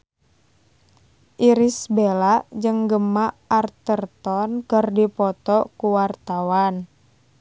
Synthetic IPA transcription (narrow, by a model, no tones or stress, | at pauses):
ʔiɾisbelaʔd͡ʒəŋɡəmaart̪ərt̪ɔnkərdipɔt̪ɔkuwart̪awan